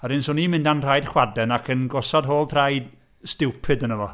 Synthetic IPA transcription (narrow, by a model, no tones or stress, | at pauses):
aɾɨnsoːnimɪ̃ndanr̥ajd̥χwadɛnakʰənɡɔsadɦoːlˠtʰrajd̥ | stɪwpʰɨdənəvɔ